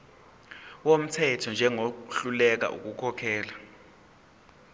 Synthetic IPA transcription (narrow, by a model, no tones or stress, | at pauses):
wom̩tʰɛtʰɔnd͡ʒʱɛŋoɬulɛk̬a̰ʔṵk̬ukʰɔkʰɛːla